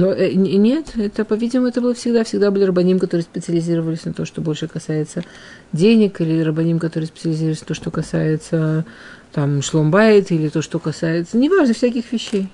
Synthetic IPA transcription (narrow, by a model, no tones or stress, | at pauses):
noʔɛnʲe̞t̪ɛt̪əpɐvʲidʲɪmmʊɛt̪əbɨlˠəfsʲɪɡd̪afsʲɪɡd̪abɨlʲɪrəbɐnʲimkɐt̪o̞ɾɨəspʲɪt̪sɨəlʲɪzʲiɾəvəlʲɪsʲnɐt̪o̞ʂt̪o̞bo̞lʲʂɨkɐsajɪt̪sə | dʲenʲɪkilʲɪɾəbɐnʲimkɐt̪o̞ɾɨəspʲt̪səlʲɪzʲirəlʲɪsnɐt̪oʂt̪o̞kɐsajɪt̪sə | t̪amʂlˠombajɪt̪ilʲɪt̪oʂt̪o̞kɐsajɪt̪sənʲɪvaʐnəfsʲæk̬ʲɪxvʲɪɕːej